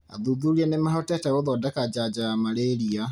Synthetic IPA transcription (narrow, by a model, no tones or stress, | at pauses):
a̰ðuðuɾiɛnemaɦɔtɛtɛɣoðɔdakad͡ʒad͡ʒaamaɾeɾia